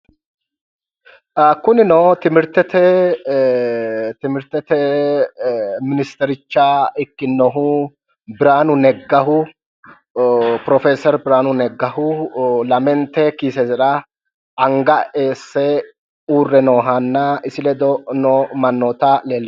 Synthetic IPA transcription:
ɐkːʊnɪnoːt̪ɪmɪɾt̪ɛt̪ɛ | t̪ɪmɪɾt̪ɛt̪ɛ | mɪnɪst̪ɛɾɪt͡ʃːaɪkːɪnːɔɦʊ | bɪɾaːnʊnɛɡːɐɦʊ | pɾɔfeːsɐɾbɪɾaːnʊnɛɡːɐhʊlɐmɛnt̪ːɛkiːsɛzɛᶑɐ | ɐŋɡɐe̞ːsːɛ | uːrːɛnoːɦɐnːɐɪsɪlɛd̪ɔnoːmɐnːoːt̪ɐleːlː

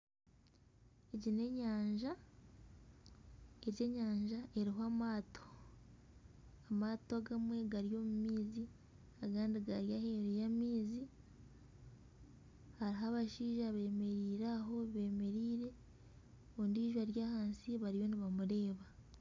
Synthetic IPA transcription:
eɟine̞ɲaːɲʒa | eɟe̞ɲaːɲʒaʔe̞ɾiɦoamaːtʰo̥ | amaːtoɡamwe̞ɡaɾijo̞mumiːzi | aɡaːndiɡaɾjaheɾejamiːzi | haɾiɦaβaʃiːʒaβe̞ːme̞ɾiːɾaɦo̞βe̞ːme̞ɾiːɾe̞ | ondiːʒwaɾjaːhaːnsiβaɾijo̞niβamuɾe̞ːβa

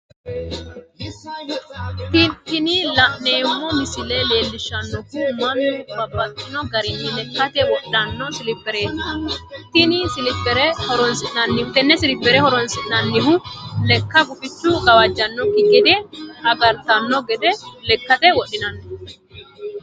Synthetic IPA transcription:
t̪ɪnɪlɐʔneːmːɔmɪsɪlele̞ːlːɪʃːɐnːɔkumːɐnːʊbɐbːɐt̪ʼːɪnɔɡɐɾɪnːɪlɛkːɐt̪ɛwɔɗːɐnːɔsɪlɪpːɛɾe̞ːt̪ | t̪ɪnɪsɪlɪpːɛɾɛhɔɾɔnsɪnɐnːɪt̪ɛnːɛsɪlɪpːɛɾɛhɔɾɔnsɪʔnɐnːɪɦʊlɛkːɐɡʊfɪt͡ʃːʊkʼɐwɐd͡ʒːɐnːɔkːɪɡɛd̪ɛɐɡɐɾt̪ɐnːɔɡɛd̪ɛlɛkːɐt̪ɛwɔɗɪnɐnː

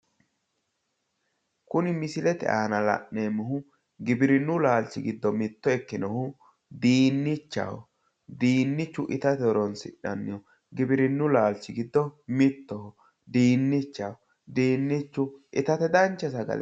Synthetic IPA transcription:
kʊnɪmɪsɪlɛt̪ɛ̰ʔa̰ːnɐlɐ̰ʔːeːmːʊɦʊ | ɡɪbɪɾɪnːʊlaːlt͡ʃɪɡɪd̪ːɔmɪt̪ːɔɛkːɪnɔhʊ | d̪iːnːɪt͡ʃːɐ̰wɔ̰ | d̪iːnːɪt͡ʃːʊʔɪt̪ɐt̪ɛɔɾɔnsɪ̰ᶑɐnːɪjɔ | ɡɪbɪɾɪnːʊlaːlt͡ʃːɪɡɪd̪ːɔmɪt̪ːɔhɔ | d̪iːnːɪt͡ʃːɐwɔ | d̪iːnːɪt͡ʃːʊʔɪt̪ɐt̪ɛd̪ɐnt͡ʃːɛsɐɡɐ̰l

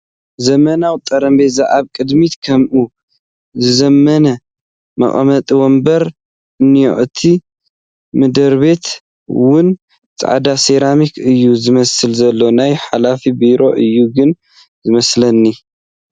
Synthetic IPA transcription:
zɐmɐnawt̪ʼɐɾɐmbezaʕaβkʼɨd̪mit̪kʰɐmʔu | zɨzɐmːɐnɐ | mɐ̰χʼɐmɐt̪ʼiwɔmbɐɾ | ɨnːij̰ʔɨt̪ʰi | mɨd̪ɐɾβe̞t̪ | wʊn | t͡sʼa̰ʕad̪aseɾamikʰɨjːuzɨmɐsɨlzɐlːo̞najħalafibiɾo̞ʔɨjːuɡɨn | zɨmɐslɐnːi

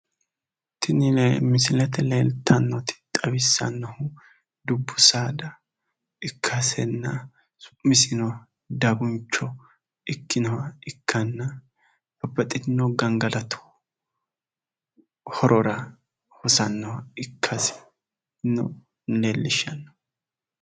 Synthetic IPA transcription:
t̪ʰɪnɪlɛmɪsɪlɛt̪ɛleːlt̪ʰːɐnːɔt̪ɪ̥t̪ʼɐbɪsːɐ̰nːɔhʊ | d̪ʊbːʊsaːd̪ɐ | ɪkʰːɐsɛnːɐ | sʊ̥mɪsɪnɔw | d̪ɐɡʊnt͡ʃːɔ | ɪkːɪnɔwɐɪkʰːɐnːɐ | bɐbːɐt̪ʼːɪt̪nɔɡɐŋɡɐlɐt̪ʰʊ̥ | hɔɾʔɔɾɐ | hɔsɐnːɔwɐɪkʰːɐsɛ̥ | nːɔ̰ | leːlːɪʃɐnːɔ̥

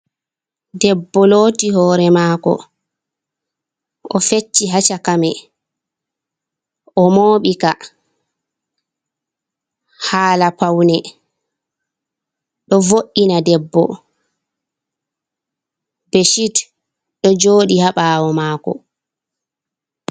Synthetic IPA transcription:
dɛbːɔloːtiɦɔːɾɛmaːkɔ̰ | ʔɔfet͡ʃːiɦat͡ʃakamɛ | ʔɔmoːɓika | haːlapawnɛ | ɗɔvoʔːinadɛbːɔ̰ | beʃit | ɗɔd͡ʒoːɗihaɓaːwɔmaːkɔ̰

